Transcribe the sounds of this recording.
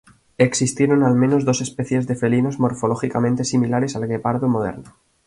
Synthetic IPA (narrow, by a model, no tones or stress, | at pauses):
e̞ksist̪je̞ɾo̞nalmẽno̞zðo̞se̞spe̞θje̞zðe̞fe̞lino̞zmo̞ɾfo̞lo̞xikamẽ̞nt̪e̞similaɾe̞salɣe̞paɾðomo̞ð̞e̞̰ɾno